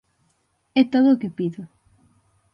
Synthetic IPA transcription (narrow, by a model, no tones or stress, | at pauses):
ɛt̪oðʊːkɪpiðʊ